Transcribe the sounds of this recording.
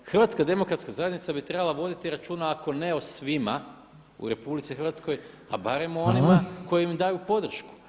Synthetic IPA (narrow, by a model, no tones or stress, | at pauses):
xr̩ʋat̪skad̪e̞mo̞kɾat̪skazajed̪nit̪sabit̪ɾe̞balˠaʋo̞d̪it̪iɾat͡ʃuːnaako̞ne̞osʋima̰ | ṵɾe̞publit̪sixrɾʋat̪sko̞j | a̰baɾe̞monimako̞jiimd̪ajupo̞d̪r̩ʃku̥